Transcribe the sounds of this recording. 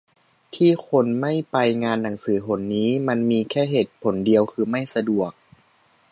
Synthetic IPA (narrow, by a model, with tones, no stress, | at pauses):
t̪ʰiː˥˩kʰo˧nma˥˩jpa˧jŋaː˧nːa˩˦ŋsɯː˩˦pʰo˩˦nːiː˦˥ma˧nmiː˧kʰɛː˥˩ɦe˨˩t̪̚pʰo˨˩˦ndi˧əwkʰɯː˧ma˥˩jsa˧du˨˩ək̚